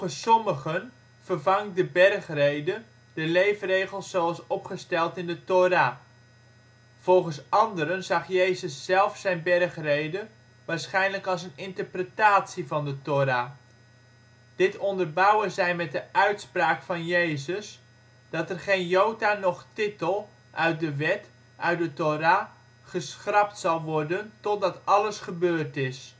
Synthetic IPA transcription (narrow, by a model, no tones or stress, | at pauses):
əssɔməχən | v̥ərvɑŋdəbɛrχrejdə | d̥əlejfrejχəlˠsːowɑlˠsɔpχəstɛlˠtɪndətoɾaː | v̥ɔlˠχəsɑndəɾənzɑχjejzəsːɛlˠfsɛjnbɛrχrejdə | ʋaːɹsχɛjnləkɑlˠs̬ənɪntəɹprətaːtsivɑndətoɾaː | d̥ɪtɔndərbɑwəzɛjmɛt̚dəʔœɥtspraːkfɑnjejzəs | d̥ɑtɛrχejnjowtaːnɔχtɪtəlˠ | ʔœɥt̚dəʋɛt | ʔœɥt̚dətoɾaː | χəsχrɑptsɑlˠʋɔrdəntɔt̚dɑtɑləsχəbøːrtɪs